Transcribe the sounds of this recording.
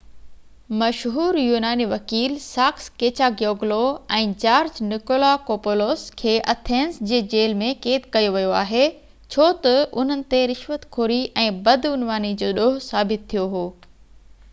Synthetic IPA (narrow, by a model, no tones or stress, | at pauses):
mɐʃɦuːɾjuːnaːniʋɐkiːlsaːkskeːt͡ɕaɡjoːɡloɛ̃ːd͡ʑaːɾd͡ʑnɪkoːlakoːpoloːskʰeːʔɐt̪ʰeːnsd͡ʑeːd͡ʑeːlmẽkeːt̪kɐjoʋijoaːɦe | t͡ɕʰoːt̪ɐʊ̰n̤ənɪ̆t̪eɾɪʃʋət̪kʰoːɾiʔɛ̃ːbɐd̪ʊnʋaːnid͡ʑoːɗoɦʊsaːbɪt̪ʰːijoɦoː